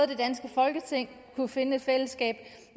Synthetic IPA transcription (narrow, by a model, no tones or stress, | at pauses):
ð̩ˠd̥e̝d̥ænsɡ̥əfɒ̽lɡ̥ət͡sʰe̝ŋ̰ | kʰufe̝nəe̝d̥fel̰əsɡ̥ɛ̰ːb̥